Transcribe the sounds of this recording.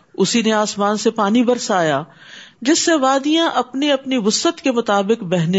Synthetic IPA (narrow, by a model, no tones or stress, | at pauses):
ʊsineaːsmaːnsepaːnibɐɾsaːja | d͡ʒɪsːeʋaːd̪ijãʔɐpniɐpniʋʊsət̪kemʊt̪aːbɪkbɛɦn